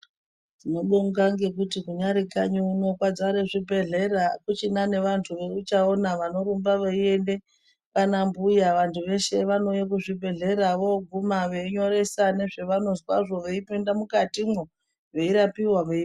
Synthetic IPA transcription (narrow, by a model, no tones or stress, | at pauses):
dino̞ɗoŋɡaŋɡe̞k̬utikuɲaɾikaɲuuno̞kwad͡zaɾeʐibʱe̞ɮe̞ɾakut͡ʃinane̞ʋantʰuʋe̞kut͡ʃaonaʋanoɾumbaʋeiende̞ | kanambujaʋantʰuʋe̞ʃe̞ʋano̞jek̬uʐibʱe̞ɮe̞ɾaʋo̞ɡʱumaʋe̞iɲo̞ɾe̞sane̞ʐe̞ʋano̞swa̰ʐo̞ʋeipindamukatimwo | ʋe̞iɾapiwaʋei